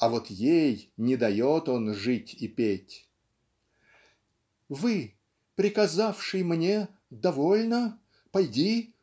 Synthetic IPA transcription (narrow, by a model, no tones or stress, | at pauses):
ɐvot̪jejnʲɪd̪ɐjot̪o̞nʐɨtʲipʲetʲ | vɨ | pɾʲɪkɐzafʂɨjmnʲe | d̪ɐvolʲnə | pɐjdʲi